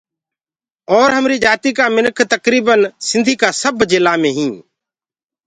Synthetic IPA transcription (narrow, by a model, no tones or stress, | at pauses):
ɔːɾɦəmɾiːd͡ʒaːt̪iːkaːmɪnkʰt̪əkɾiːbənsɪ̃nd̪ʱiːkaːsəbd͡ʒɪlːaːmẽːɦĩː